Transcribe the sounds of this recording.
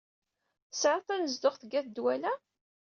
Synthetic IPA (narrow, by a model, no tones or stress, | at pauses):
sʕɑθˤænəzd̪ʊχθəɡæθd̪wælæ